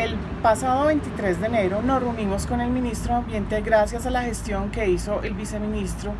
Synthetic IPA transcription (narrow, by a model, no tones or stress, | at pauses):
el | pasaðoβe̞jnt̪it̪ɾe̞zd̪ene̞ɾo̞no̞runimo̞sko̞ne̞lmĩnist̪ɾoambje̞nt̪e̞ɡɾasjasalaxe̞st̪jo̞ŋke̞iso̞ʔelbise̞mĩnist̪ɾo